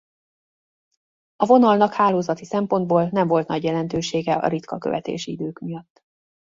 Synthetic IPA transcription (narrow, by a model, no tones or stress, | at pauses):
ɒvo̞nɒlnɒkhaːloːzɒt̪isɛmpo̞nd̪̚boːlnɛɱvo̞lt̪nɒɟjɛlɛn̪t̪øːʃeːɡɛɒ̰ɾit̪kɒkøvɛ̰t̪ḛːʃiid̪øːkmijɒt̪ː